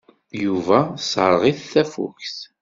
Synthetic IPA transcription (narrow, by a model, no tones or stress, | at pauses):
juvæsɾˤʁiθθæfṵkθ